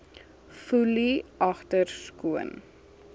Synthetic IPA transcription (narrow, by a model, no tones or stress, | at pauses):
fuliʔɐχtərskuən